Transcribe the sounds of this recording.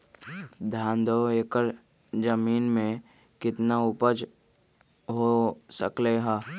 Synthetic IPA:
d̪ʱãːnd̪ʱoeːkəɾ | d͡ʒəmiːnmẽ | kɪt̪naʊpəd͡ʒ | ɦosə̰kleɦaː

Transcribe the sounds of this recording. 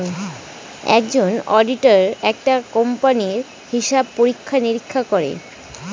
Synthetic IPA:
ɛ̰k̚d͡ʑonɔɖiʈaɾɛk̚ʈakɔmpaniɾ | hiʃab̚poɾikʰːaniɾikʰːakoɾḛ

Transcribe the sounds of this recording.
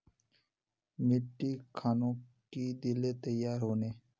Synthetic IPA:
mɪʈːikʰaːnõkid̪ɪlet̪əjːaːɾɦoːneː

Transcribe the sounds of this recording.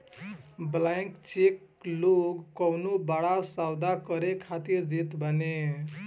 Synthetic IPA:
blajŋkt͡ʃek | loɡːʌwnubaɽasawd̪akʌɾekʰat̪iɾd͡zit̪bʱʌne

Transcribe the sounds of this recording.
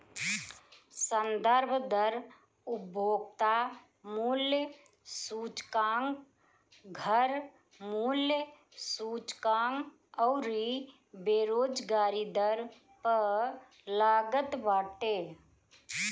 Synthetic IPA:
sə̃nd̪əɾbʱd̪əɾ | ʊbʱoːɡt̪a | muːljə | suːt͡ʃkãːŋɡ | ɡʱəɾ | muːljə | suːt͡ʃkãːŋ | ɔʊɾi | beːɾoːd͡ʒɡaːɾid̪əɾ | pəɾ | laːɡət̪baːʈeː

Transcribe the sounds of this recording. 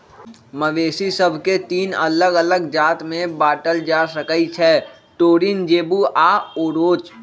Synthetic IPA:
məʋeːsisəbʱket̪iːnə̰ləɡələɡd͡ʒaːt̪mẽbaːʈəld͡ʒaːsəkəit͡ʃʰɛ | ʈoːɾind͡ʒeːbuʔaːoːɾoːt͡ʃ

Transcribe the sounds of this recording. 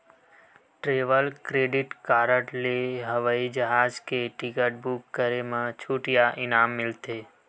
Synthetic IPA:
ʈɾeːʋəlkɾeːɖɪʈkaːɾəʈleɦəʋaːid͡ʒəɦaːd͡ʒkeʈɪkəʈ̚bʊkːəɾemə̃t͡ʃʰuʈjaʔɪnaːmːɪlt̪eː

